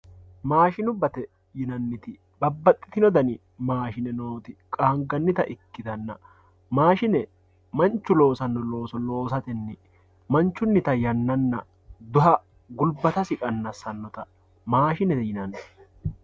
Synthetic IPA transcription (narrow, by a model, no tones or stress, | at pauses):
maːʃɪnʊbɐt̪ɛ | jɪnɐnːɪt̪ɪ | bɐbːɐt̪ʼːɪ̥t̪ɪnɔd̪ɐnɪ | maːʃɪnɛnoːt̪ɪkʼaːŋɡɐnːɪt̪ɐʔɪkːɪd̪ɐnːɐ̰ | maːʃɪnɛ | mɐnt͡ʃːʊlo̞ːsɐnːɔlo̞ːsɔlo̞ːsɐt̪ɛnːɛ | mɐnt͡ʃːʊnːɪt̪ɐjɐnːɐnːɐ̰ | d̪ʊɦɐ | ɡʊlbɐt̪ɐsɪkʼɐnːɐsɐnːɔt̪ɐ | maːʃɪnɛt̪ɛjɪnɐnːɛ